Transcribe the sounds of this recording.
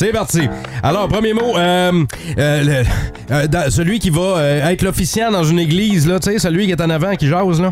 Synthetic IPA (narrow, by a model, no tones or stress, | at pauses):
sepaʁt͡s̪ia̰lɔːʁpʁəmjemoø | ølə | d̪ɑ̃səlɥikʲivʌøɛɪt̪lɔfisjãd̪ɑ̃zyneɡliːzlʌtsesəlɥikʲɛt̪ɑ̃ːnavãkʲiʒawzlɔ